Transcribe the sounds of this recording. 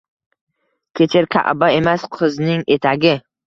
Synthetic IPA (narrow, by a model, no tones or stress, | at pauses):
kʲʰe̞t͡ʃʰɪɾkʲʰa̰ʔbae̞masqʰɨznɪŋe̞t̪ʰaɡʲɪ